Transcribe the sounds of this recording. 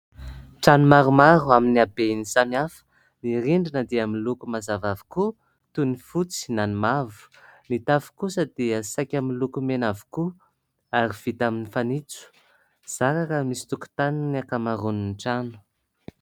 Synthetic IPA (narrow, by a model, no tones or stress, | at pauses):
ʈ͡ʂanumaɾumaɾuaminiabenisamiafə̥ | niɾiɳɖ͡ʐinəd̪eaminlukumazavavi̥ku | t̪unifut͡si̥nanimavu̥nit̪afu̥kusəd̪iəsajkʲaminlukumenavu̥ku | aɾiv̥it̪aminifanit͡su̥ | z̥aɾakəmisi̥t̪uku̥t̪aniniakamaɾuninʈ͡ʂanu̥